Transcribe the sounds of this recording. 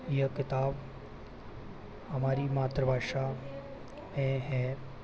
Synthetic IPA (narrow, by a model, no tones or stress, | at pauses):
ijəkɪt̪aːb | əmaːɾimaːt̪ɾəbʱaːʃa | ɛ̃ɦɛ